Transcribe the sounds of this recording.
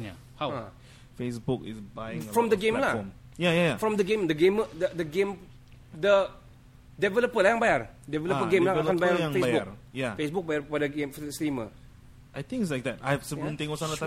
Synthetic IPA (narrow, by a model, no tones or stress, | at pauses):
ja | haa | fesbukɪ̰sbajĩŋfɹɔ̃md̪əɡẽmlaɔm | jajajafɹɔ̃md̪əɡẽmdəɡẽmədədəɡẽm | də | dɛvɛləpəlajãŋbajardɛvɛləpəɡẽmlaãnbajaɾãŋfeasbujafesbʊk̚bajabadəɡẽmfstɾimə̰ | ʔajt̪ĩŋkɪs̬lajk̚d̪ɛtajsəbĩnt̪ẽŋɔsãnat̪